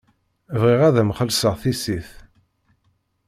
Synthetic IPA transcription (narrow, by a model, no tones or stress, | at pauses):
vʁiʁæðæmχəlsəʁθisiθ